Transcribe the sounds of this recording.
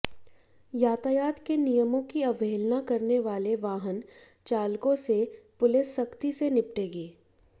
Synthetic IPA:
jaːt̪ajaːt̪kenijəmõkiɐʋeːlnakɐɾneʋaːleʋaːɦən | t͡ʃaːlkõsepʊlɪsːɐkt̪isenɪpʈeːɡeː

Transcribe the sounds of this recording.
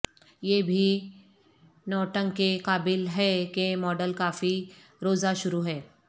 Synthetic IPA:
jebʱiː | nɔːʈəŋɡkekaːbɪlɦɛkemɔːɖəlkaːfi | ɾoːd͡zaʃʊɾuɦɛː

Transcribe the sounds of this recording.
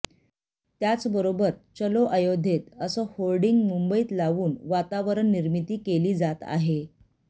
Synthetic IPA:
t̪jat͡sbəɾobəɾt͡ɕəloʔajod̪ʱet̪əsəholɖiŋɡmumbəiːt̪laʋuːnʋat̪aʋəɾəɳːiɾmit̪iːkeliːd͡zat̪a̰ɦe

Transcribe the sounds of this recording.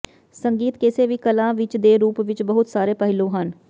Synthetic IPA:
səŋɡiːt̪keːseːʋiːkəlãːʋɪt͡ʃd̪eːɾuːpʋɪt͡ʃbəɦʊt̪saːɾeːpəɦlõːɦən

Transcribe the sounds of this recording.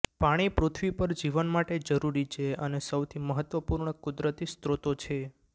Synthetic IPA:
paɽ̃ipɾot̪ʰʋipəɾd͡ʒiʋənmaʈed͡ʒəɾuɾit͡ʃʰeənesəwt̪ʰiməɦət̪ʋəpuɾɳəkʊd̪ɾət̪ist̪ɾot̪ot͡ʃʰe

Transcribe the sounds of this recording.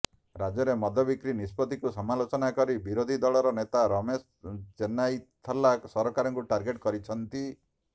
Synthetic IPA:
ɾad͡ʒɔɾemɔd̪ʱɔbikɾinispɔt̪ikusɔmalot͡ʃɔnakɔɾibiɾod̪ʱid̪ɔɭɔɾɔnet̪aɾɔmes | t͡ʃenajt̪ʰɔlaksɔɾɔkaɾɔŋkuʈaɾɡeʈkɔɾit͡ʃʰɔnt̪i

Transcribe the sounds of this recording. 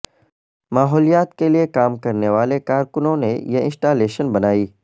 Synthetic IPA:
maːɦɔːlijaːt̪keliekaːmkɐɾneʋaːlekaːɾkʊnõnejeɪ̰̃nsʈaːleːʃənbɐnaːiː

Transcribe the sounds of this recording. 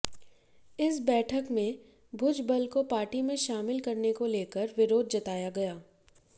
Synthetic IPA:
ɪsbɛːʈʰəkmẽ | bʱʊd͡ʒbəlkopaːɾʈimẽʃaːmɪlkɐɾnekoleːkəɾʋɪɾoːd̪̚d͡ʒɐt̪aːjaɡɐjaː

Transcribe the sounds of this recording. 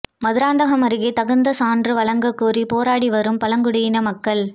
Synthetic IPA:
mɐðɪɾaːnd̪ɐɣɐmɐɾɪɣeːt̪ɐɣɐnd̪ɐsaːndrɯʋɐɭɐŋɡɐkːuːripoːɾaːɽiʋɐɾɯmpɐlɐŋɡɯɽɐjɪnɐmɐkːɐɭ

